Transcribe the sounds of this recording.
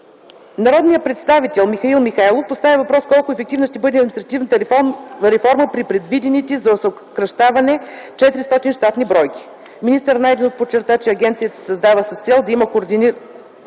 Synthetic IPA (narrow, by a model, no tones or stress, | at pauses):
nɐɾɔd̪nijəpɾɛt̪st̪avit̪ɛlˠmixɐilˠmixajlˠofpost̪avʲivɐpɾɔskɔlˠkʊɛfɛk̚t̪ivnosʃt̪ɛbɤd̪ɛɐd̪minst̪ɾɐt̪ivnət̪əɾɛfɔɾməpɾipɾɛd̪vid̪ɛnit̪ɛzɐoso | kɾɐʃt̪avɐnɛt͡ʃɛt̪iɾist̪ɔt̪inʃt̪at̪nibɾɔjkʲi̥ | minist̪əɾnajd̪ɛnot̪pot͡ʃːɛɾt̪at͡ʃɛɐɡʲɛnt̪sijət̪ə̥sɐzd̪avəsɐst̪sɛlˠd̪ɐiməkoɾd̪ini